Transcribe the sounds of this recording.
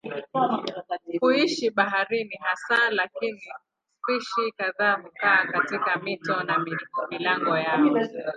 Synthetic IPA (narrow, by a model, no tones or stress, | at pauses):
huiʃiɓaɦaɾiniɦasalakini | fiʃikaðaːm̩kaːkatikamitɔnaimilaŋɡɔjaɔ